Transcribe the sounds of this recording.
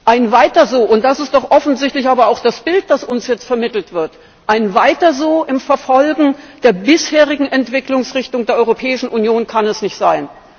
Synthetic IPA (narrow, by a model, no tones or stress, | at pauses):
ʔaɪnvaɪtɐzoːʔʊnt̚d̥asɪst̚d̥ɔχʔɔfn̩zɪçtlɪçʔaːbɐaʊxd̥asb̥ɪlt̚d̥asʊnsjɛt͡stfɛɐmɪtl̩tv̥ɪɐt | ʔaɪnvaɪtɐzoːʔɪmfɛɐfɔlɡŋ̩d̥eːɐbɪsheːʁ̞ɪɡŋ̩ɛntv̥ɪklʊŋsʁɪçtʊŋdeːɐʔɔʏʁopʰɛːɪʃn̩ʔunjoːnkʰanɛsnɪçtz̥aɪn